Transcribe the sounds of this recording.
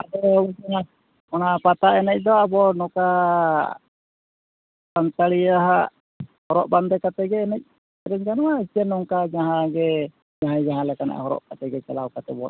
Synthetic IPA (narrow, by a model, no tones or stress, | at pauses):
ad̪ɔɛna | ɔnapat̪aɛnɛc̚ˀd̪ɔabɔnɔka | sant̪aɽiaɦa | hɔɾɔʔband̪ɛkat̪ɛɡɛːnɛc̚ | ɛɾɛɲd͡ʒanɔwaisiɛnɔŋkad͡ʒaɦãɡɛ | d͡ʒaɦajd͡ʒaɦãlɛkana̰ʔhɔɾɔ̰ʔkat̪ɛɡɛt͡ʃalawkat̪ɛbɔ